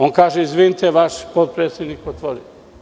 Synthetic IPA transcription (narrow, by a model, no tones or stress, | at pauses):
onkaːʒeizʋinit̪eʋaʃpot̪̚pɾeːt̪sjed̪nikot̪ʋoɾi